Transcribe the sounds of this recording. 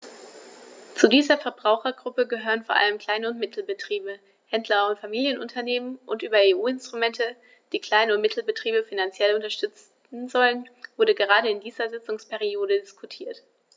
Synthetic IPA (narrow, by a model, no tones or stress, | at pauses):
t͡sudiːzɐfɛɐbʁaʊxɐɡʁʊpəɡəɦøːʁ̞ənfoɐʔa̰ləmkl̥aɪnəʊntmɪtʰl̩bətʁ̥iːbə | hɛndlɐʊntfamiːljənʔʊntʰɐneːmənʔʊntʔyːbɐeːʔuːɪnstʁ̥umɛntə | d̥iːkl̥aɪnəʊntmɪtʰl̩bətʁ̥iːbəfinant͡sjɛlʊntɐʃtʏt͡s | n̩zɔlənv̥ʊɐɾəɡəʁaːɾəɪndiːzɐzɪt͡sʊŋspɛʁ̞ioːdədɪskʰutʰiːɐt